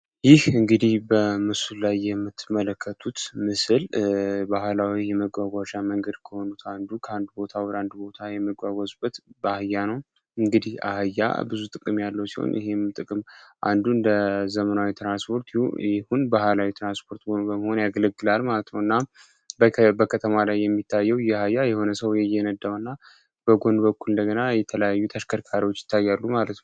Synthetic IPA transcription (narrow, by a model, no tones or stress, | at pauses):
jɪhɨŋɡɨd̪ihbəmɨsullajːɛmːɨt̪ʰːmələkʰːət̪ʰut̪mɨsɨlbahlawijɛməɡʷaɡʷaʃaməŋɡəd̪kʰəho̞nut̪ʰand̪ukʰəand̪ubo̞t̪ʰawɔɾand̪ubo̞t̪ʰajɛməɡʷaɡʷazbət̪bahajːanəw | ɨŋɡɨd̪iha̰hjːa̰bɨzut̪ʼɨkʼɨmjalːəwsiho̰njɪ̰he̞mt̪ʼɨkʼɨmʔa̰nd̪uɨnd̪əzəmənawit̪ʰɾanspʰo̞ɾt̪jɪhunbaɦalawit̪ɾanspʰo̞ɾt̪ɡo̞nbəmːəho̞njaɡələɡːɨlalmalət̪nəwɨnːa | bəkʰət̪ʰəmalajːɛmːit̪ʰːajːɛwjɛahajːajɛho̞nəsəwjɛjɛnəd̪ːawɨnːa | b̥əɡo̞nbəkːulɨnd̪əɡənajɛt̪ʰələjajːut̪ʰəʃkʰəɾkʰaɾiwo̞t͡ʃːjɪ̥t̪ʰːajːalːumalət̪nəw